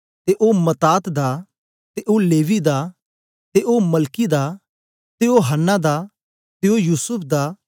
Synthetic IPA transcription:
t̪eʔomɐt̪aːt̪d̪a | t̪eʔoleːʋid̪aː | t̪eʔoːmɐlkid̪aː | t̪eoɦənːad̪aː | t̪eojuːsʊpʰd̪aː

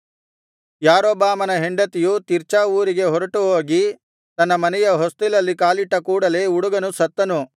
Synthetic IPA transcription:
jaːɾoːbaːmɐnɐɦeɳɖɐt̪ijut̪iɾt͡ʃaːuːɾiɡe̞ɦɔɾɐʈuɦoːɡi | t̪ɐnːɐmɐnɛjɐɦost̪ilɐlːikaːliʈːɐkuːɽɐle̞ːuɽuɡɐnusɐt̪ːɐnu

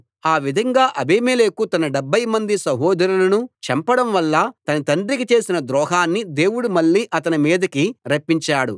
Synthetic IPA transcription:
aːʋid̪ʱɐŋɡaːʔɐbʱeːmeːleːkut̪ɐnɐɖɛbʱːɐjmɐnd̪isɐɦɔːd̪ɐɾulɐnut͡ʃɐmpɐɽɐmʋɐlːɐt̪ɐnɐt̪ɐɳɖɾikit͡ʃe̞ːsinɐd̪ɾɔːɦaːnːid̪e̞ːwuɽumɐɭːiːʔɐt̪ɐnimiːd̪ɐkiɾɐpːiɲt͡ʃaːɽṵ

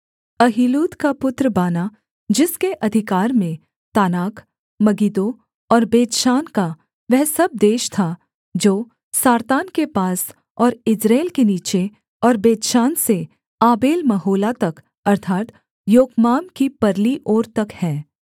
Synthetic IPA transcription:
ɐɦiːluːd̪kapʊt̪ɾəbaːna | d͡ʒɪskeʔɐd̪ʱɪkaːɾmẽ | t̪aːnaːk | mɐɡiːd̪o | ɔːɾbeːd̪ʃaːnka | ʋɛɦsɐb̚d̪eːʃt̪ʰa | d͡ʒoː | saːɾt̪aːnkepaːs | ɔːɾɪd͡ʒɾeːlkeniːt͡ʃe | ɔːɾbeːd̪ʃaːnse | aːbeːlmɐɦoːlat̪ɐk | ɐɾt̪ʰaːt̪ | joːɡmaːmkipɐɾliʔoːɾt̪ɐkhɛː

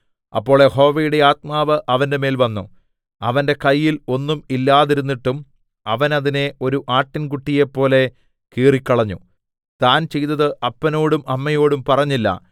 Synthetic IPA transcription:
ɐ̰pːo̞ːɭe̞ho̞ːʋejuɽe̞aːt̪̚maːʋɨʔɐʋɐnde̞me̞ːlʋɐnːṵ | ɐʋɐnde̞kɐjːilo̞nːumilːaːðiɾunːiʈːum | ɐʋɐnɐðine̞o̞ɾuʔaːʈːinkuʈːijepːo̞ːle̞ | kiːrikʲːɐɭɐɲːṵ | t̪aːnt͡ɕe̞jt̪ːɐðɨʔɐpːɐno̞ːɽumɐmːɐjo̞ːɽumpɐrɐɲːilːɐ̰

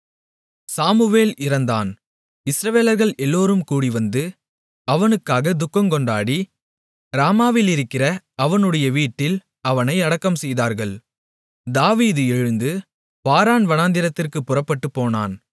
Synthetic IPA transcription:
saːmɯʋeːlɪɾɐnd̪a̰ːn | ɪsɾɐʋeːlɐɾɣɐɭʔɛlːoːɾɯmkuːɽiʋɐnd̪ɯ | ɐʋɐnɯkːaːɣɐd̪ʊkːɐmkɔɳɖaːɽi | ɾaːmaːʋɪlɪɾɯkːɪrɐ | ɐʋɐnɯɽɐjɐʋiːʈːɪl | ɐʋɐnɐɪɐɽɐkːɐmsɛjðaːɾɣɐɭ | d̪aːʋiːðɯɛɻɯnd̪ɯ | paːɾaːnʋɐnaːnd̪ɪɾɐt̪ːɪrkɯpːʊrɐpːɐʈːɯpːoːna̰ːn

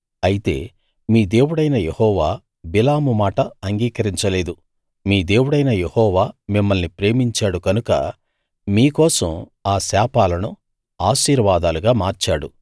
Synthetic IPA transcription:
ɐjit̪e̞̰ː | miːd̪e̞ːwuɽɐjnɐjehɔːʋaː | bilaːmumaːʈɐːŋɡiːkɐɾiɲt͡ʃɐle̞ːd̪u | miːd̪e̞ːwuɽɐjnɐjehɔːʋaːmimːɐlnipɾe̞ːmiɲt͡ʃaːɽukɐnukɐ̰ | miːkɔːsɐmaːsaːpaːlɐnu | aːʃiːɾʋaːd̪aːluɡaːmaːɾt͡ʃaːɽu

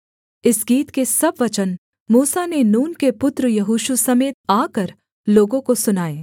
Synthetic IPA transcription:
ɪsɡiːt̪kesɐbʋɐt͡ʃən | muːsanenuːnkepʊt̪ɾəjɐɦuːʃusɐmeːt̪̚aːkɐɾ | loːɡõkosʊnaːeː

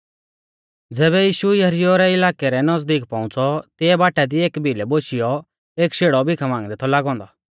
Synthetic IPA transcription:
d͡zɛːβɛjiːʃujɐɦɾɪjoɾɛɪlaːkɛɾɛnɐzd̪iːkpãːʊ̃t͡sɔt̪ɪɛbaːʈʰɛd̪ieːkbʱilɛboʃɪjɔ | eːkʃeːɽɔbʱɪkʰamãːŋɡd̪ɛt̪ʰɔlaːɡɔ̃ːnd̪a

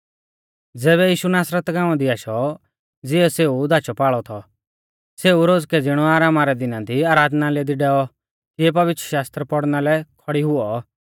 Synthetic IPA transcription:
d͡zɛːβɛjiːʃunaːsɾət̪ɡãːʊ̃ãd̪iaːʃɔ | d͡zɪɔseːud̪at͡ʃɔpaːɭɔt̪ʰɔ | seːuɾoːd͡zkɛd͡zɪɽ̃ɔaːɾaːmaɾɛd̪ɪnãt̪iaːɾaːd̪naleːd̪iɖɛːɔ | kɪɛp̬ɐʋɪt̪ɾəʃaːst̪ɾəpɔɽnalɛkʰɔɽiɦʊɔ

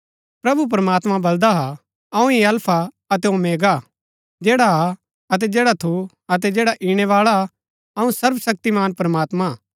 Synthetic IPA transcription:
pɾɐbup̬ɾəmaːt̪mãbɐld̪aɦa | ɐũiɐlpʰa | ɐt̪ɛõmeːɡa | d͡ʒɛːɽa | ɐt̪̬ɛd͡ʒɛːɽat̪ʰu | ɐt̪̬ɛd͡ʒɛːɽaʔiɽ̃ɛʋaːɭa | ɐũsɐɾʋsɐk̚t̪imaːnpɾɐmaːt̪mã

